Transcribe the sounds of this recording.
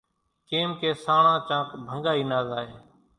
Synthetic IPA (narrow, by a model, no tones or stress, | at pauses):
keːmkeːsaːɳãːt͡ʃãːkbʱəŋɡaːiːnaːzaːɦeː